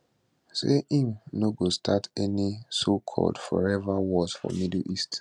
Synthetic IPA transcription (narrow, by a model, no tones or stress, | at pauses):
seʔĩŋnoɡostʰatɛnisokʰɔ̰dfɔɹɛvawɔz̥fɔ̰midl̩ist